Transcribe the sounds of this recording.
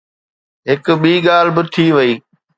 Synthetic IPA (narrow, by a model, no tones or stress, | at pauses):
ɦɪkɓiːɠaːl̤bɪt̪ʰiʋɐiː